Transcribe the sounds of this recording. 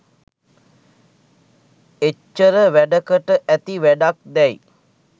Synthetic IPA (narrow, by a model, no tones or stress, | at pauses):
et͡ʃːəɾəʋæɖəkəʈəʔæt̪iʋæɖak̚d̪ɛj